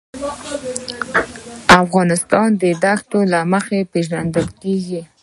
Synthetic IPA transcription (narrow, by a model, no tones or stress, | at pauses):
afɣɑnɪst̪ɑnd̪əd̪akt̪olaməxepeʒand̪əlkeɡi